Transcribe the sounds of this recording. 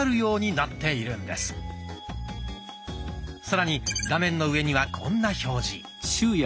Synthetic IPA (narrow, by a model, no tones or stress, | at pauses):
ɾɯ̟jo̞ːɲ̟inat̪ːe̞iɾɯ̟̃nd̪e̞̰sɨ̥ | saɾaɲ̟iɡamẽ̞nːo̞ɯ̟e̞ɲ̟iβakʰõ̞̰nːaço̞ːʑi | ɕɨːj